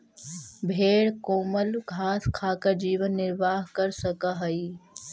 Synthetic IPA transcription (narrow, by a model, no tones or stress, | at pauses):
bʱeːɽkoːməlɡʱaːskʰaːkəd͡ʒiːʋənːɪɾʋaːɦkəɾsəkaɦəi